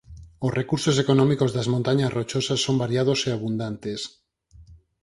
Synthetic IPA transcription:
osrekuɾsos̬ekonõmikozðazmõnt̪aɲasrot͡ʃosasːombaɾjað̞oseaβund̪ant̪es

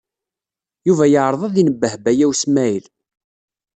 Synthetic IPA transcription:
juvæjəʕɾˤəðˤɑðinəbːəhbæjæwsmæjl

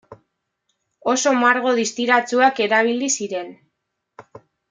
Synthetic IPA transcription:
o̞so̞maɾɣ̞o̞ðist̪iɾat͡suake̞ɾaβ̞ilisiɾe̞n

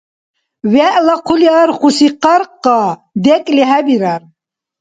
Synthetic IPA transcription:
vɛʔlaqʰuliaɾχusiqaɾqːad̪ɛkʼliɦæbiɾaɾ

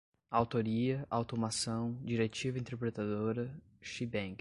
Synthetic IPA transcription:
awt̪oɾiɐʔawt̪omasɐ̃w̃d͡ʒiɾet͡ʃivɐĩnt̪eɾpɾet̪ad̪oɾɐ | ʃibẽɡ

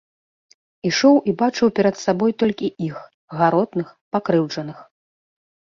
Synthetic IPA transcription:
iʂɔwʔibat͡ʂɨwpʲɛɾɐt̪sabɔjt̪ɔlʲkʲiʔix | ɣaɾɔd̪nɨxpakɾɨwd͡ʐɐnɨx

